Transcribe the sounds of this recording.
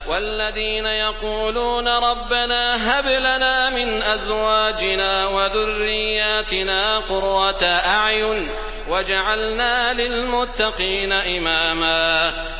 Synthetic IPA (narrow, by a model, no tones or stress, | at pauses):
walːaðiːnajɑquːluːnaɾˤɑbːanaːɦablanaːmɪnʔazwaːd͡ʒɪnaːwaðʊrːɪjːaːt̪ɪnaːqʊɾːat̪aʔaʕjʊn | wad͡ʒaʕalnaːlɪlmʊt̪ːɑqiːnaʔɪmaːmaː